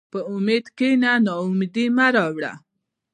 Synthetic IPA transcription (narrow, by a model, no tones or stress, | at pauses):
pəʊmed̪kenanɑumd̪imaɾɑwɽa̰